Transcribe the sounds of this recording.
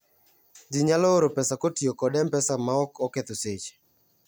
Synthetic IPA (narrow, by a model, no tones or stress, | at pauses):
d͡ʒiɲalɔoɾopɛsakotiokɔdɛmpɛsamaɔkɔkɛt̪oset͡ʃ